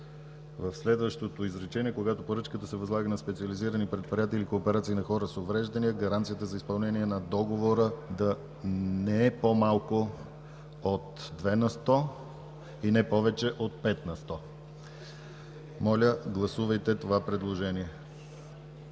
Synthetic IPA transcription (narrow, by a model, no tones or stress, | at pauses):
vəfslɛd̪vəʃt̪ot̪oizɾɛt͡ʃɛniɛkoɡat̪opoɾɤt͡ʃkət̪əsɛvɐzlˠaɡənɐspɛt̪siəliziɾənipɾɛt̪̚pɾʲiat̪iilikoːpɛɾat̪siːnɐxɔɾəsovɾɛʒd̪ɐniəɡɐɾant̪sijət̪əzɐispɐlˠnɛniɛnɐd̪ɔɡovoɾəd̪ɐ | nɛɛpomalˠko | ot̪d̪vɛnɐst̪ɔ | inɛpɔvɛt͡ʃɛʔot̪̚pɛt̪nɐst̪ɔ | mɔlʲəɡlˠɐsuvəjt̪ɛt̪ovapɾɛd̪lˠoʒɛniɛ